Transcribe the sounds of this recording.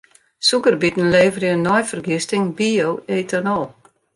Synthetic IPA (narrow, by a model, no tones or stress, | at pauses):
sukərbitn̩leːvərjənːɔjfərɡɪstɪŋbioweːtʰənɔlˠ